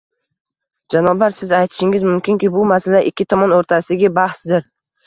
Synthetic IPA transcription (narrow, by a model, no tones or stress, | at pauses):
d͡ʒanɒblaɾsɪzajt̪ʰɪ̥ʃɪŋɪzmʊmkʲɪŋkʲɪbʊmasalaʔɪkʲʰːɪt̪ʰɒmɒnoɾt̪ʰasɪɡʲɪbahsd̪ɪɾ